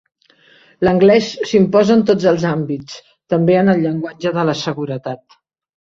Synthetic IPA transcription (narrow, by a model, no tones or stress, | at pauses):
ləŋɡlɛsːimpɔzəənt̪od͡zəlˠzambit͡s | t̪əmbeənəlˠʎːəŋɡwad͡ʒəðələsəɣuɾət̪at̪̚